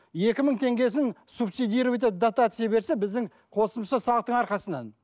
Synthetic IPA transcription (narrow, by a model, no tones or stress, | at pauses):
je̞kʲɪməɴt̪ʰe̞ŋɡʲe̞s̬ɪnsubsijd̪ijɾvet̪̬ed̪ot̪at̪sɨjabe̞ɾse̞bɪzd̪ɪŋ | qʰo̞səmʃɑsɑlˠəq̚t̪əɴɑɾqɑsənɑ̰n